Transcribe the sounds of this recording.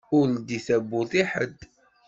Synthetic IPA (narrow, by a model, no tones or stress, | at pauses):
ʊld̪iθæbːʊθˤiħəd̪